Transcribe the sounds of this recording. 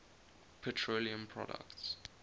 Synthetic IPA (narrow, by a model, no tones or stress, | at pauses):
pʰɛtʰɹoliə̃mpʰɹɔ̰də̰kts